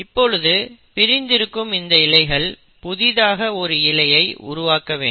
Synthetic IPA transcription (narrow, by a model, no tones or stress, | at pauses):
ɪpːɔɭɯðɯpɪɾɪnd̪ɪɾɯkːɯmɪnd̪ɐɪlɐɪɣɐɭ | pʊðɪðaːɣɐɔɾɯɪlɐjɐɪʊ̰ɾʊʋaːkɐʋḛː